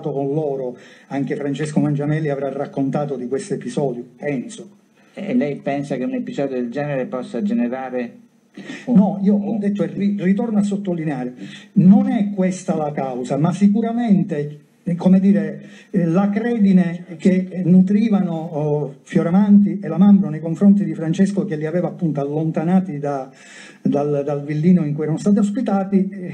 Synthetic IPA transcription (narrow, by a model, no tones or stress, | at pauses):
t̪okonlɔːɾoaŋk̟efɾant͡ʃeskomand͡ʒamɛlːiavɾarːakːont̪aːt̪od̪ikwest̪epizɔːd̪jopɛnso | lːɛjpɛnsakeunepizɔːd̪jod̪eld͡ʒɛːneɾepɔsːad͡ʒeneɾaːɾe | nɔiːoɔd̪ːet̪ːoɛririt̪ornoas̬ːot̪ːolːineaːɾenonɛkːwest̪alakawsamasːik̬uɾament̪e | komed̪iːɾe | lakɾɛːd̪inek̟enut̪ɾiːvanofjoɾamant̪̬ielamambɾonejkoɱfɾont̪̬id̪ifɾant͡ʃɛskok̟elːiavɛːvaːpːunt̪oalːont̪anaːt̪id̪a | d̪ald̪alvilːiːnoiŋkujɛɾanost̪aːt̪iospit̪aːt̪i